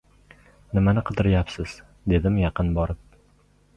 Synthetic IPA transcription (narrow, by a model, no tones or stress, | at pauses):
nɪmanɪqʰɨd̪ɪɾɪjapsɪz̥ | d̪e̞d̪ɪmjɑqɨnbɒɾɪp̚